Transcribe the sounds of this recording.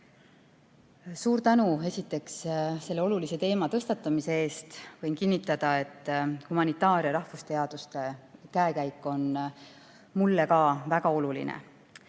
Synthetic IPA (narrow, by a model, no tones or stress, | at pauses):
suːɾt̪ænue̞sit̪ːˑe̞ksse̞lːe̞o̞lulise̞t̪e̞ːmɑt̪ɤst̪ɑt̪ːˑɑmise̞e̞ːst̪vɤjnkinːit̪ːˑɑd̪̥ɑe̞t̪ˑːhumɑnit̪ːˑɑːɾjɑɾɑhfust̪e̞ɑd̪̥ust̪e̞kæekæjkːˑo̞n | mulːe̞kɑːvæɡ̥ɑo̞lulḭnḛ